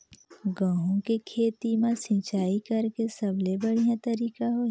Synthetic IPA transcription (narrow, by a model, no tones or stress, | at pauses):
ɡãːɦõkekʰeːt̪imãsĩt͡ʃaːikɐɾkesɐblebəɽ̤ijãt̪ɐɾiːkaɦo